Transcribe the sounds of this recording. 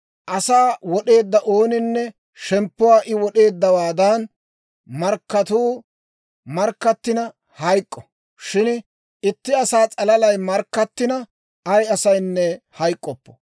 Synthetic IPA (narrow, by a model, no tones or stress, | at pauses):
ʔɐsaːwɔɗe̞ːd̪ːɐʔo̞ːnɪnːɛ | ʃɛmpːʊwaːʔɪwɔɗe̞ːd̪ːɐwaːd̪ɐn | mɐɾkːɐt̪uː | mɐɾkːɐt̪ːɪnɐ | hɐjkʼːɔ | ʃɪn | ɪt̪ːɪɐsaːt͡sʼɐlɐlɐjmɐɾkːɐt̪ːɪnɐ | ɐjɐsɐjnːɛhɐjkʼːɔpːɔ̥